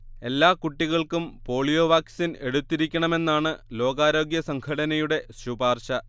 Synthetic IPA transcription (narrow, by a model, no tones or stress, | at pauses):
e̞lːaːkuʈːiɣɐɭkumpo̞ːɭijoːʋaːksine̞ɽut̪ːiɾikʲːɐɳɐme̞nːaːɳɨlo̞ːɡaːɾo̞ːɡjɐsɐŋkʰɐɽɐnɐjuɽe̞subaːrɕɐ